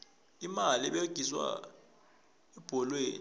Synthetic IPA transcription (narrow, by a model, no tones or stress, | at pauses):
imaliɓeɡ̥ʱiswa̰ | ɛb̥ʱɔlweːn